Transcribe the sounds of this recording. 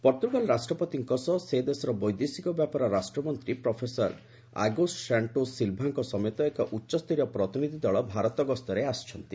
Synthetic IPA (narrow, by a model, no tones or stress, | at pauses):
pɔɾt̪ɾubalɾasʈɾɔpɔt̪iŋkɔsɔsed̪esɔɾɔbɔjd̪esikɔbjapaɾɔɾasʈɾɔmɔnt̪ɾipɾɔpʰesɔɾ | a̰ɡosʈsaɳʈosilbʱaŋkɔsɔmet̪ɔekɔʔutːʃɔst̪ʰiɾijɔpɾɔt̪inid̪ʱid̪ɔɭɔbʱaɾɔt̪ɔɡɔst̪ɔɾeast͡ʃʰɔnt̪i